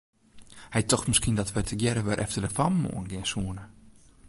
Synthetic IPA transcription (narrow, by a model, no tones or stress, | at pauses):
hɛjtɔxməskiəndɔtʋɛtʰəɡjɛɾəʋɛɾʔɛ̰ftədəfammo̰ənɡɪənsuənə